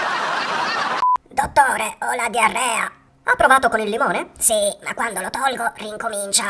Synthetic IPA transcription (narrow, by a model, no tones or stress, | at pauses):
d̪ot̪ːɔːɾeɔlad̪jarːɛːa̰ | apːɾovaːt̪okonilːimɔːnesima̰kːwand̪olot̪ɔlɡoriŋkomint͡ʃa